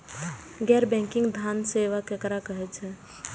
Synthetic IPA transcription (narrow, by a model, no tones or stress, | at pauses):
ɡɛɾbɛ̃ŋkiŋɡd̪ʱanseʋakekɾakəɦɛt͡ʃʰɛ